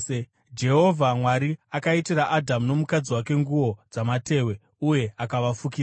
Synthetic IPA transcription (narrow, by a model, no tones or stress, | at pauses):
d͡ʒe̞ɦo̞vʱamwaɾiakaitiɾaʔadʱamuno̞mukad͡ziwake̞ŋɡuwo̞d͡zamate̞ːwe̞ | uje̞akaʋafukia